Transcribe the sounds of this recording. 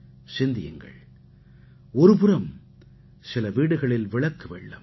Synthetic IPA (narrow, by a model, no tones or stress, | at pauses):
sɪnd̪ɪjɯ̰ŋɡɐ̰ɭ | ɔɾɯpɯɾɐm | sɪlɐʋiːɽɯɣɐɭɪlʋɪɭɐkːɯʋḛːɭːɯm